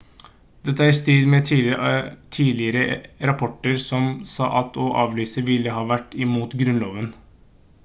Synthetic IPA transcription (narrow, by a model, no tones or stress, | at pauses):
d̪ɛt̪ːæːɾst̪ɾiːd̪mɛ | t̪ʰiːlɪəɾəɾɑpʰɔʈːəɾsɔmsɑ̰ːʔɑt̪ʰɔʔɑ̰ːʋlyːsəʋɪlːəɦɑːʋæʈːɪmuːt̪ɡɾʉnloːʋən